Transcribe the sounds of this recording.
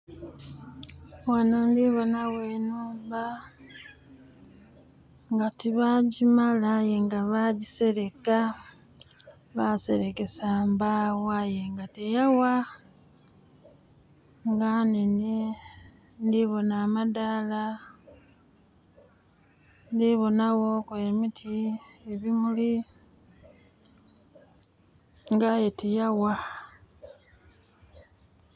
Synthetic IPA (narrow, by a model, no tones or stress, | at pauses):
wanondiβonaweːnuːmba | ŋɡatiβaːɟimalajeŋɡaβaɟiseɾeka | βase̞ɾekesaːmbawajeŋɡatejawa | ŋɡanini | ndiβo̞naːmadala | ndiβonaɣokwemitʰieβimuli | ŋɡajetejawa